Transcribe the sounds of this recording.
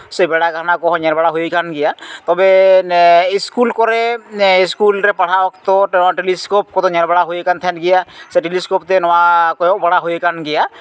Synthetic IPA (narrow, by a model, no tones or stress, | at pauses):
sebɛɽakanakɔɦɔ̃ɲaɾbaɽaɦojkanɡijat̪ɔbɛ | iskulkɔɾɛskulɾɛpaɽ̤ʰawɔkt̪ɔʈɛnɔwaʈeliskop̚kɔt̪ɔɲaɾbaɽaɦojekant̪ʰɛnɡijasɛʈeliskopt̪ɛnɔwakɔjɔbaɽaɦojekanɡija